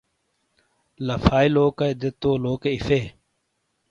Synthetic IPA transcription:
lɐfaːiloːkɐjd̪et̪oːloːkeifeː

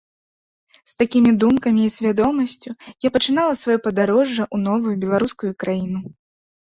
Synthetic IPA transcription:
st̪akʲimʲid̪umkɐmʲiːsʲvʲad̪ɔmɐsʲt͡sʲujapɐt͡ʂɨn̪alˠɐsvajɔpɐd̪aɾɔʐːɐʔunɔvujubʲɛlˠaɾuskujukɾajinu

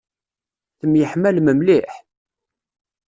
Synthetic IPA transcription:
θəmjəħmælməmliħ

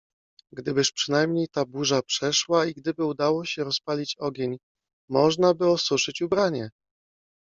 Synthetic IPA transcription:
ɡd̪ɘbɘʂpʂɘnajmɲejt̪abuʐapʂɛʂwaiɡd̪ɘbɘud̪awɔɕɛɾɔspalʲit͡ɕɔɡʲeɲ | mɔʐnabɘɔsuʂɘt͡ɕubɾaɲɛ

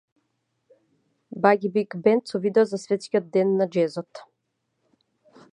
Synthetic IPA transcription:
baɡʲibikbɛnt̪sɔvid̪ɛɔzasvɛt̪skʲiɔd̪̚d̪ɛnːad͡ʒɛzɔt̪

